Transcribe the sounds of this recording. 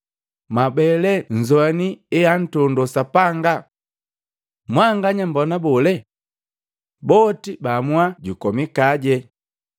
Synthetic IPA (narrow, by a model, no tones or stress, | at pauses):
mabɛlɛɲ̩zwaniɛan̩tɔndɔsapaŋɡa | mwaŋɡaɲambɔnabɔlɛ | bɔtibamwaɟukɔmikaɟɛ